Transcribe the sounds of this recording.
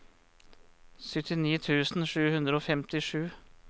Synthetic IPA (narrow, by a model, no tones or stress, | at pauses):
sʏt̪ʰɪniːt̪ʰʉːsn̩ʂʉːhʉnd̪ɾəoːfɛmt̪ɪʂʉː